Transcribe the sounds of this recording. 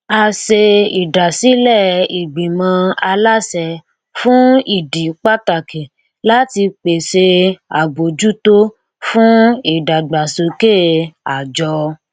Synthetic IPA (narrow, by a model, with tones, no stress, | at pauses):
a˧se˧i˨da˨si˨˦lɛ˦˨i˨ɡ͡bĩ˨mã˧˦a˧la˦sɛ˧˨ | fũ˦i˦˨di˨k͡pa˦ta˨ke˨ | la˦ti˧k͡pe˨se˧a˨bo˨d͡ʒu˦to˦ | fũ˦i˦˨da˨ɡ͡ba˨so˨˧ke˦˨a˨d͡ʒɔ˧